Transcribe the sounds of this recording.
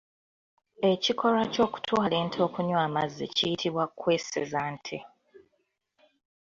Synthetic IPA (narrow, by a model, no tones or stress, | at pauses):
e̞cikʰo̞ɾaco̞ːku̥tʰwaːle̞ːntʰo̞ːkuɲwaːmazːḭcijitʰiβwakwesezaːntʰe